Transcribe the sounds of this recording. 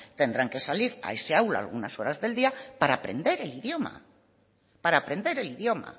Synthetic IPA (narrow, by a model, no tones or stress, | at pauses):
t̪e̞nd̪ɾaŋke̞saliɾa̰e̞seawla̰a̰ːlɣunaso̞ɾazðe̞ld̪iapaɾaːpɾe̞̰nd̪e̞ɾe̞liðjo̞ma̰ | paɾaːpɾe̞nd̪e̞ɾe̞liðjo̞ma̰